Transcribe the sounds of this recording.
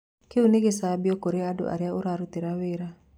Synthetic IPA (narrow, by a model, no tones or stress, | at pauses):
keuneɡesabjɔkoɾeado̰ʔa̰ɾjaʊɾaɾut̪iɾawɪɾa